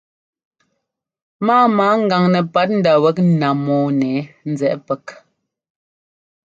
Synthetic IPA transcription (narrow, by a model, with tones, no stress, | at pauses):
maː˦maː˨˦ŋ̩˦ɡa˨ŋnɛ˨pa˦t̚n̩˦da˨wɛ˦k̚n̩˦na˨mɔː˨˦nɛ˨˦n̩˦d͡zɛ˨ʔpɛ˨k